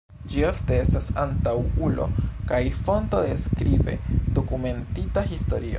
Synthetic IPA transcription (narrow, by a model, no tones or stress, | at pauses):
d͡ʒiofte̞e̞stasantawulo̞̰kajfo̞nto̞de̞skɾive̞̰d̥o̞kume̞ntitahisto̞̰ɾio̰